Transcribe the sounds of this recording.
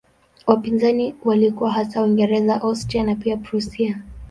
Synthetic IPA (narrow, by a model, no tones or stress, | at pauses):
wapinzaniwalikuwaɦasawiŋɡɛɾɛzaʔɔstɾianapiapɾusia